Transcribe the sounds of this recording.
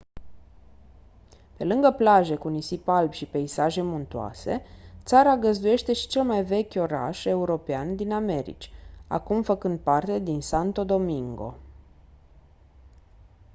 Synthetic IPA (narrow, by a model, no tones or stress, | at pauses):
pe̞lɨŋɡəplaʒe̞kunisipalbʲʃipeisaʒe̞munt̪ua̰se̞̰t̪saɾaɡəzd̪uje̞ʃt̪e̞ʃi̥t͡ʃe̞lmajve̞kʲo̞ɾa̰ʃe̞uɾo̞peand̪iname̞ɾḭt͡ʃʲa̰kumfəkɨnd̪̚part̪e̞d̪insant̪o̞d̪o̞miŋɡo̞̰